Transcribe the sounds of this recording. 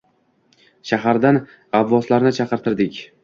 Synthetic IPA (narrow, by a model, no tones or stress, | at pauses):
ʃaɦaɾd̪an | abːɒslaɾnɪt͡ʃʰaqɨɾt̪ʰɪɾd̪ɪkʲ